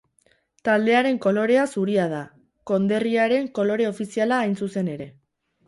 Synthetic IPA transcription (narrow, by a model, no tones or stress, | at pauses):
t̪ald̪e̞aɾe̞ŋko̞lo̞ɾe̞asuɾiað̞a | ko̞nd̪e̞riaɾe̞ŋko̞lo̞ɾe̞o̞fisialaːjnsuse̞ne̞ɾe̞